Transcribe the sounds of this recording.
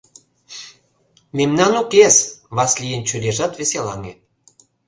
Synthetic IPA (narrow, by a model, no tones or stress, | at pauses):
memnɑnukesβɑslʲijənt͡ɕyleʒɑt̪βeselɑ̰ŋḛ